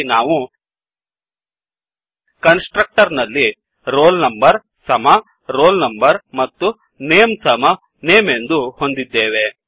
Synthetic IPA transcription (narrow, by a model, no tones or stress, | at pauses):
naːʋu | kɐnsʈɾɐk̚ʈɐɾnɐlːi | ɾoːlnɐmbɐɾ | sɐmɐ | ɾoːlnɐmbɐɾmɐt̪ːu | neːmsɐmɐ | neːme̞nd̪uho̞nd̪id̪ːeːʋe̞